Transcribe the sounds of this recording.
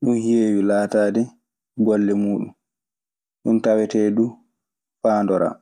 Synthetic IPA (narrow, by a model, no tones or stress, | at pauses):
ɗunhjeːwilaːtaːdɛ | ɡɔlːɛmuːɗum | ɗuntawɛtɛːdu | faːndɔɾa̰ː